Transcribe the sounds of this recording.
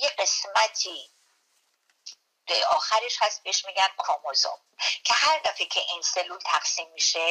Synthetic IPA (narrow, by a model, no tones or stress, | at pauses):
jeɢe̞smæt̪ʰiː | ɒːxæɾeʃhæst̪̚beeʃmiːɡænkʰɔmozo̰m | cʰe̞hæɾd̪æficʰeʔinselult̪ʰæqsiːmːiʃe